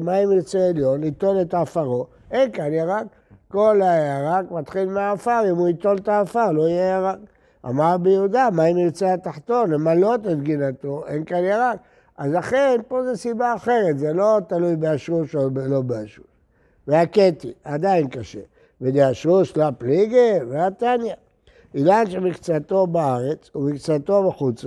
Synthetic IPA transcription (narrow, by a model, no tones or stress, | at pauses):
maimiʁt͡seeljo̞nit̪o̞let̪aːfaʁo̞ | enkanjeʁak | ko̞lajaʁakmat̪χilmeaːfaʁimuit̪olt̪aːfaʁlo̞ijeaʁak | a̰maʁbejud̪amaimiʁt͡seat̪aħt̪o̞nemalo̞t̪et̪ɡinat̪oenkanjeʁak̚ | ʔazlaχenpo̞zesibaːχe̞ʁet̪zelo̞t̪alujbeaʃuʃoelo̞beaʃu̥s | veaket̪iad̪ainkaʃḛ | ved̪eaʃuslapliɡeveat̪anja | ilanʃemikt͡sat̪o̞baaʁet͡sumikt͡sat̪o̞beχut͡sa